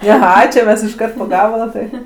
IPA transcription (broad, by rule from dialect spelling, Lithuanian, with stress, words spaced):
ɐˈɣɐ t͡ʃʲɛ ˈmʲɛs ɪʃˈkɐrt poː ˈɡɑːbɐlˠɐ tɐɪ